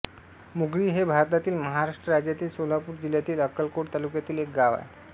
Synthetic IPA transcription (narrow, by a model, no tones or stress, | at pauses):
muɡɽiːɦebʱaɾt̪at̪iːlməɦaɾaʂʈəɾad͡ʑjat̪iːlsolapuːɾd͡ʑiljat̪iːləkːəlkoɽt̪alukjat̪iːlek̚ɡaʋa̰e